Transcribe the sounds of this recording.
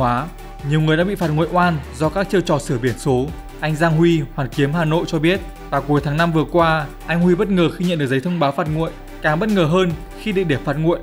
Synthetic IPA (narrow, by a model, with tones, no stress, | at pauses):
aː˨˦ | ɲi˨˩əwŋɨ˨˩əjɗa̰˧˥ɓḭ˧˨faː˨˩t̚ŋṵ˧˨jʔwaː˧nzɔ˧kaː˦˥k̚t͡ɕə˧wt͡ɕɔ̰˧˨˩sɨ˧˩əɓi˧˩ənso˨˦ | ʔa˧jŋ̟zaː˧ŋɦwi˧hwaː˨˩nki˨˦əmɦaː˨˩no̰˧˨jt͡ɕɔ˧ɓi˦˥ət̚ | vaː˨˩ku˨˦jt̪ʰaː˨˦ŋna˧mvɨ˨˩əkwaː˧ʔa˧jŋ̟hwi˧ɓə˦˥t̚ŋəː˨˩xi˧ɲə̰˧˨nɗɨ˨˩k̚zjt̪ʰə˧wŋ͡mɓaː˨˦wfaː˨˩t̚ŋṵ˧˨əj | kaː˨˩ŋɓə˦˥t̚ŋəː˨˩ɦəː˧n | xi˧ɗḭ˧˨ɗe˧˩faː˦˥t̚ŋṵ˧˨əjʔ